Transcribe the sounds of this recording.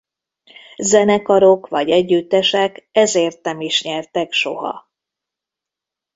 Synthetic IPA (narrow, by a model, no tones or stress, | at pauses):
zɛnɛkɒɾo̞kʋɒɟɛɟːyt̪ːɛʃɛkɛzeːrt̪̚nɛmiʃɲɛrt̪ɛkʃo̞ɦɒ̰